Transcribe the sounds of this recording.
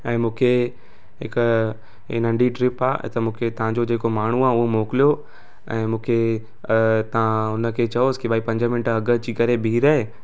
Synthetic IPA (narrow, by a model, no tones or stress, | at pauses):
ɛ̃ːmũːkʰe | ɦɪk | ɪ̰nə̃ɳɖiʈɾɪpa̰ːt̪ɐmũːkʰet̪ɐʋ̤ãɲd͡ʑod͡ʑeːkomaːɳ̤uaːʊɦomoːkɪlijo | ɛ̃ːmũːkʰe | t̪ɐ̤ãʊnə̆kʰeːt͡ɕɐoskibaːipɐ̃ɲd͡ʑəmɪnɪʈɐɡə̆d͡ʑiːkɐɾebʱiːɾaːɦe